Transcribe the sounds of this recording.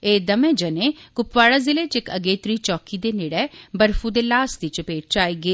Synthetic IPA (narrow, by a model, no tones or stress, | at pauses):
eːd̪əmẽːd͡ʒəneːkʊpʋaːɽaːzɪleːt͡ʃɪkəɡeːt̪ɾiːt͡ʃɔːkiːd̪eːneːɽɛːbəɾfuːd̪eːlaːsd̪it͡ʃəpeːʈ̚t͡ʃaːiːɡeː